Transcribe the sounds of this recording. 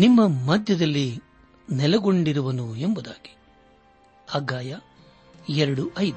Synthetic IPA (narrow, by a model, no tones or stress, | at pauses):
nimːɐmɐd̪ʱjɐd̪ɐlːi | nɛlɐɡo̞ɳɖiɾuʋɐnuembud̪aːɡi̥ | ɐɡaːjɐ | ɛɾɐɽuʔɐjd̪u